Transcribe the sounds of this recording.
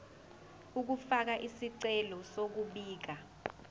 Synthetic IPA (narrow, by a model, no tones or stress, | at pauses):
uk̬ufak̬aʔisiǀɛlɔsok̬uɓiːk̬a